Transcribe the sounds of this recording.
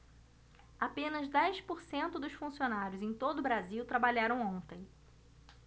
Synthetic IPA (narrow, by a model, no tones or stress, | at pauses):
apẽnɐzd̪ɛjspoɾsẽnt̪ʊd̪ʊsfũsionaɾjʊzẽj̃t̪od̪ʊbɾaziwt̪ɾabaʎaɾɐ̃w̃õt̪ẽj̃